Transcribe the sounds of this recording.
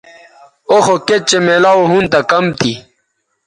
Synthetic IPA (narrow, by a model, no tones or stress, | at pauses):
oxoket͡ɕemelaːwɦunt̪akɐmt̪ʰi